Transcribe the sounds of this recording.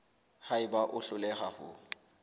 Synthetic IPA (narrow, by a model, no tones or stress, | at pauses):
haɪbaʔʊɬʊlɛhahʊ̰